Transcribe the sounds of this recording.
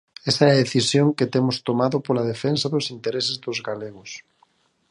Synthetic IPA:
esaɛðeθisjoŋket̪emʊst̪omaðʊpolað̞efensaðʊsint̪eɾesɪzðozɣaleɣʊs

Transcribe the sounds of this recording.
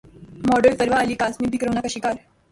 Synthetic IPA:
mɔɖəɭsəɾʋaːliːkasmiːbʱikɾəʋnakəɕiːkaɾ

